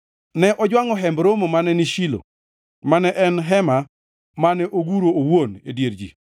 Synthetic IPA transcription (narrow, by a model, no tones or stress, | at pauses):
nɛʔɔd͡ʒwaŋɔɦɛmbɾomomanɛniʃilo̰ | manɛʔɛnɦɛma | manɛʔoɡuɾoːwonedjeɾd͡ʒḭ